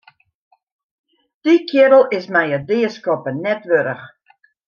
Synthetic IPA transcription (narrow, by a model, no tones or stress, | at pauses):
d̥ikʰjɪɾəl̩ˠɪsmɛjədɪəskɔpənɛtʋøɾəx